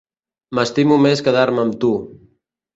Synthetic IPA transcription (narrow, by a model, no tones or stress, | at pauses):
məst̪imumeskəðaɾməmt̪u